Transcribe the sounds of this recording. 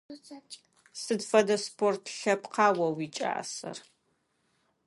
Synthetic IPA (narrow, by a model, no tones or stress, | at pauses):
sɨdfɐdɐspʰortʰɬɐpqɑːwɐwiːt͡ʃʼa̰ːsɐ̰r